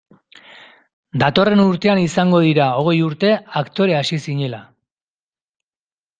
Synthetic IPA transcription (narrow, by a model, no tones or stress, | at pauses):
d̪at̪o̞re̞nuɾt̪e̞anisaŋɡo̞ð̞iɾao̞ɣ̞e̞juɾt̪e̞akt̪o̞ɾe̞asisiɲe̞la